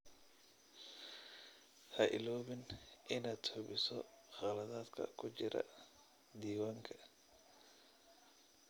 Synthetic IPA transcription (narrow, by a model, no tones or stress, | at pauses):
hɐʔɪ̰lɔːβɪnʔɪnaːd̪̥hʊβɪsɔ | χɑlɐðaːd̪kʰɐ̰kʰʊt͡ʃɪɾɐ̰ | d̪iːwaːŋkʰɐ̥